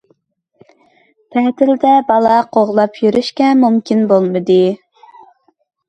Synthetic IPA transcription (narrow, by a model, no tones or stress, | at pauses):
pʰɛht̪ɪld̪ɛbɑlˠɑqʰoʁlˠɑpʰjyɾyʃkʲɛmumkʲinbolˠmɨd̪ɨ